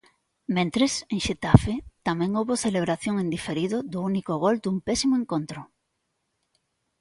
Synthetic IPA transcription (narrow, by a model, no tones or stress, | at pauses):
mẽnt̪ɾeseŋʃet̪afet̪amɛ̃ŋowβoθeleβɾaθjoŋend̪ifeɾiðʊðʊunikoɣold̪umpɛsimoeŋkont̪ɾʊ